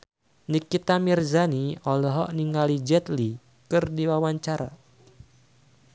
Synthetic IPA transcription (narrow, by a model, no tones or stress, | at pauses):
nikit̪amirzaniɔlɔɦɔʔniŋalid͡ʒɛt̪li | kɨrdiwawaɲt͡ʃaɾa̰